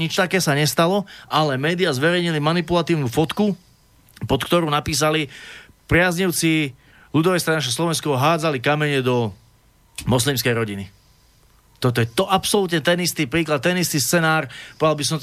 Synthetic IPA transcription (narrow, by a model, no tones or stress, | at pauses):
ɲit͡ʃt̪akɛːsaɲɛst̪alɔʔalɛmɛːd̪iɪazʋɛɾɛjɲilimanipulat̪iːʊnuːfɔt̪ku | pɔt̪kt̪ɔɾuːnapiːs̬ali | pɾɪazɲiʊt͡si | lud̪ɔʋɛst̪ɛnaːʃ̬aslɔʋɛnskɔɦaːd͡zalikamɛɲɛd̪ɔ | mɔs̬limskɛjɾɔɟini | t̪ɔt̪̬ɔjɛt̪ɔʔapsɔlut̪ɲɛt̪ɛnist̪ipɾiːklat̪̚ːɛnist̪ist͡sɛnaːɾpɔalˠbis̬ɔm